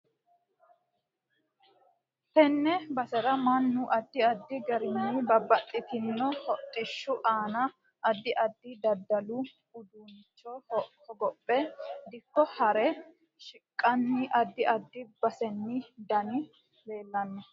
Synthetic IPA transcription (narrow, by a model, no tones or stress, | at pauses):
pɛnːɛbɐsɛɾɐmɐnːʊʔɐd̪ːɪɐd̪ːɪɡɐɾɪnːɪbɐbːɐt̪ʼːɪt̪ɪnːɔhɔt̪ʼːɪʃːʊʔaːnɐ | ʔɐd̪ːɪʔɐd̪ːɪd̪ɐd̪ːɐlʊ | ʊd̪uːnɪt͡ʃːɔhɔɡɔpʼːɛd̪ɪkːɔhɐɾɛ | ʃɪkʼːɐnːɪʔɐd̪ːɪʔɐd̪ːɪbɐsɛnːɪd̪ɐnɪ | be̞ːlːɐnːɛ